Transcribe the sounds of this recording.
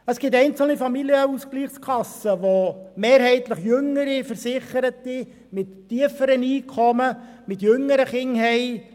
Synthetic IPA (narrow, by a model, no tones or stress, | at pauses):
əsɡ̥ɪtɛɪnt͡sl̩nifɑmiljəuskliːχskʰɑsəʋomeːɾɦɛɪtləχjʏŋːəɾifəɾsɪχəɾətːi | mɪttiəfəɾəniːkʰɔmə | mɪtjɵŋːəɾəχɪŋɦɛɪ